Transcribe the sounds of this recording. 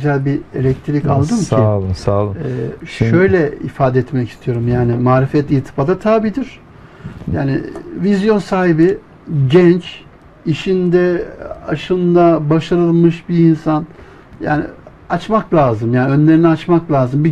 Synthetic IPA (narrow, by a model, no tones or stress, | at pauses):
zælʲbiḛlʲɛc̚t̪ʰɾika̰lˠd̪ɯmcʰisaːlˠɛːʃøjlʲɛḭfaːd̪ɛt̪mɛci̥st̪ʰijo̞ɾumjaːnɪmaːɾifɛt̪ʲit̪ʰɯ̥pad̪at̪ʰaːbid̪iɾ̥ | ja̰ːnɪ̰vizjo̞nsaːɦibi | ɟɛnt͡ʃ | iʃind̪ɛaʃɯnd̪abaʃaɾɯlˠmɯʃbiːnsan | ja̰ːnɪ̰ | at͡ʃmaklʲaːzɯmjaːniø̞nlʲe̞ɾinɛat͡ʃmaklʲaːzɯmbi